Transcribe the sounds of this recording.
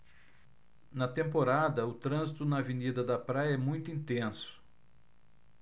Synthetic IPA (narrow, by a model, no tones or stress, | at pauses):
nɐt̪ẽmpoɾad̪ɐʊt̪ɾɐ̃zit̪ʊnɐvenid̪ɐd̪ɐpɾajɐɛmũj̃t̪ʊĩnt̪ẽsʊ̥